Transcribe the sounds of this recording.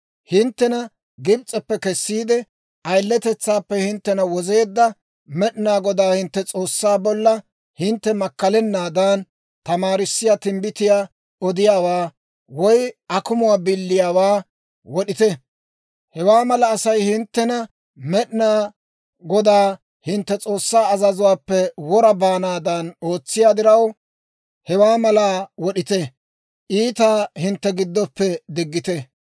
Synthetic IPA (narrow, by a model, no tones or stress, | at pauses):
hɪnt̪ːɛnɐ | ɡɪbt͡sʼːɛpːɛkɛsːiːd̪ɛ | ʔɐjlːɛt̪ɛt͡sːaːpːɛhɪnt̪ːɛnɐwɔze̞ːd̪ːɐ | mɛɗɪnaːɡɔd̪aːhɪnt̪ːɛt͡sʼo̞ːsːaːbɔlːɐ | hɪnt̪ːɛmɐkːɐlɛnːaːd̪aːn | t̪ɐmaːɾɪsːɪjaːt̪ɪmbɪt̪ɪjaː | ɔd̪ɪjaːwaː | wɔjʔɐkʊmʊwaːbɪlːɪjaːwaː | wɔɗɪt̪ɛ | hɛwaːmɐlɐːsɐjhɪnt̪ːɛnɐ | mɛɗɪnaː | ɡɔd̪aː | hɪnt̪ːɛt͡sʼo̞ːsːaːɐzɐzʊwaːpːɛwɔɾɐbaːnaːd̪ɐno̞ːt͡sːɪjaːd̪ɪɾɐw | hɛwaːmɐlaːwɔɗɪt̪ɛ | ʔiːt̪aːhɪnt̪ːɛɡɪd̪ːɔpːɛd̪ɪɡːɪt̪ɛ